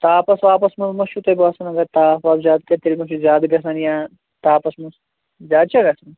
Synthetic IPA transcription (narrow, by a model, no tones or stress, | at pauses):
t̪aːpɐsʋaːpɐsmɐzmɐʃut̪ɐbʋaːsɐnɐɡɐt̪aːʋaːbzaːd̪̚kɐt̪ilʲmɐʃuzaːd̪ɡɐsɐnjaː | t̪aːpɐsmɐs | zaːd̪̚t͡ʃʰɐɡɐsɐn